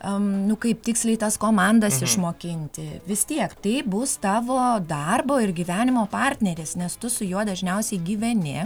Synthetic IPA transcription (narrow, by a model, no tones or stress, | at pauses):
ɐnʊkɐɪp̚t̪ʲɪksʲlʲɛɪt̪ɐskoːmɑˑnd̪ɐsɪʃmoːkʲɪnʲt̪ʲɪʋʲɪst̪ʲiɛkt̪ɐɪbʊst̪ɑːʋoːd̪ɑrboːɪrɡʲiːʋʲæːnʲɪmoːpɑːrʲt̪ʲnʲɛɾʲeːsnʲɛst̪ʊsʊjuɔd̪ɐʒʲnʲɛʊsʲɛɪɡʲiːʋʲɛnʲɪ